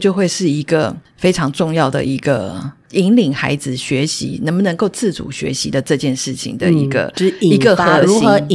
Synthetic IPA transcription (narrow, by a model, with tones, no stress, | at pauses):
t͡ɕjo˥˧ʊxwe˥ɪʂɻ̩˥˩i˧˥ɡ̥ə˨ | fe˥ɪʈ͡ʂʰɑ˧˥ŋʈ͡ʂʊ˥˧ŋjɑ˥˩ʊd̪ə̰˩ʔi˧˥ɡə̰˧ | i˧˥ŋli˨˩ŋxa̰˧˥ɪd͡zɹ̩˨ɕɥɛ˧˥ɕḭ˧˥nə˧˥ŋbə˨nə˧ŋko˥˧ʊt͡sɹ̩˥˩t͡sṵ˨˩ɕɥɛ̰˧˥ɕi˧˥d̪ə˨ʈ͡ʂɤ˥˧t͡ɕjɛ˥˧nʂɻ̩˥˩t͡ɕʰḭ˨˩ŋd̪ə̰˨i˧˥ɡə̰˧˨i˧˥ɡə˧xɤ˧˥ɻu˧˥ixɤ˧˦˨